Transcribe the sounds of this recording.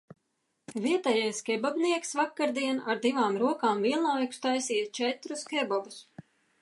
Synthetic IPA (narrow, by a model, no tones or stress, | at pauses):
viɛt̪ajajskʲɛbɔbniɛksvakːaɾd̪iɛnaɾd̪ivaːmɾuɔkaːmviɛlˠnɔvɛkst̪ajsiːt̪t͡ʃɛt̪ɾuskɛbɔbus